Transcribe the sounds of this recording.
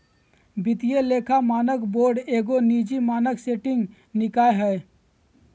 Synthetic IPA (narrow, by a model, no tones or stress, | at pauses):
bɪt̪ijeleːkʰamaːnəkboːɾɖeːɡoniːd͡ʒimaːnəkseːʈɪ̃ŋɡ | nɪkaːeɦɛː